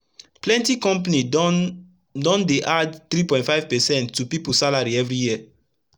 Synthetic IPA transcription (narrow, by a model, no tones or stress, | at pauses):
plɛ̃ntikɔ̃mpani | dɔ̃ndeʔadθɾipɔ̃ɪ̃tfaɪv̥pɛsɛ̃ntːupipusalaɹiɛvɹijiə